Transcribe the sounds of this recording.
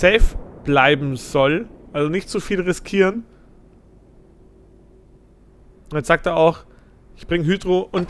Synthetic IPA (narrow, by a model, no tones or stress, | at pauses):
sɛːfb̥laɪbm̩z̥ɔlʔalzonɪçtz̥ufiːlʁɪskʰiːʁən | ɛz̥aːk̚teːɐʔaʊx | ʔɪçb̥ʁɪŋɦyːdʁoʔʊnt